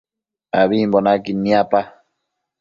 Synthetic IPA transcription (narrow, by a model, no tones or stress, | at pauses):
aβimbonakinĩapa